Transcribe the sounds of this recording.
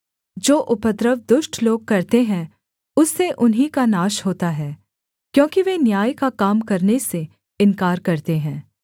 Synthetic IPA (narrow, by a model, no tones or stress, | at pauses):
d͡ʒoːʔʊpət̪ɾəʋd̪ʊʃʈʰloːɡ̚kɐɾt̪eɦɛ̃ | ʊsːeʔʊnɦikanaːʃɦoːt̪aɦɛː | kjõːkiʋenjaːjkakaːmkɐɾnese | ɪnkaːɾkɐɾt̪eɦɛ̃ː